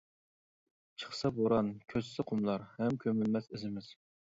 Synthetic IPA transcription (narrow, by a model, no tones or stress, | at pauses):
t͡ʃʰə̥χsɑboɾɑnkʲʰøzsɪqʰʊmlˠɑɾhɛmkʲʰømylmɛsɪzɪmɪz̥